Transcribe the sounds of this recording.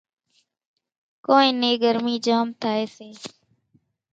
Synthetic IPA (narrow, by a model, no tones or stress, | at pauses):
koːẽːneːɡəɾmiːd͡ʒaːmt̪ʰaːeːseː